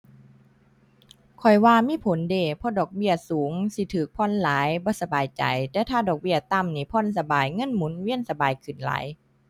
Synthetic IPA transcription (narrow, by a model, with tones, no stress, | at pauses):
kʰɔ˨˩jwaː˧miː˧˥˨pʰo˨˦ndeː˧˩pʰɔ˧˥˨dɔː˨˩k̚bi˧˩əsuː˨˦ŋsi˧˦t̪ʰɯː˨˩k̚pʰɔ˧˥˨nlaː˨˦jbɔː˧˦sa˧baː˨˩jt͡ɕa̰˨˩jt̪ɛː˧˩wt̪ʰaː˧˩dɔː˨˩k̚bi˧˩ɐt̪a˧˨mniː˧˩pʰɔ˧˥˨nsa˧baː˨˩jŋɤ˧˥˨nmuː˨˦nwi˧˥ə˨nsa˧baː˨˩jkʰɯ˨˩nla̰ː˨˦j